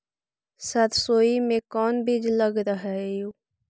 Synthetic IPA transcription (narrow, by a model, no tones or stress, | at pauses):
sət̪soːimẽkɔːnbid͡ʒləɡɾəɦɛjuː